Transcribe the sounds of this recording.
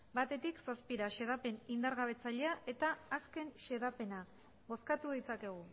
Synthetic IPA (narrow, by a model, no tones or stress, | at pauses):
bat̪e̞t̪iksaspiɾaʃe̞ð̞ape̞nind̪aɾɣaβ̞e̞t͡saʎeaʔe̞t̪aːske̞nʃe̞ðape̞na | βo̞skat̪uð̞it͡sake̞ɣ̞u